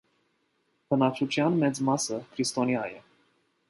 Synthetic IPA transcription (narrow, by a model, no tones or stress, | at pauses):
pɨnat͡ʃut͡ʃjanmɛd̪zʲmasəkɾist̪oniaje